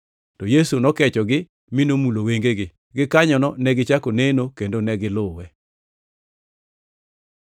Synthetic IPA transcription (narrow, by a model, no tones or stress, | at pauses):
tɔjesunɔkɛt͡ʃɔɡɪ | mɪnomuloweŋɡeɡɪ | ɡɪkaɲɔnɔnɛɡɪt͡ʃakonenokendonɛɡɪlʊwɛ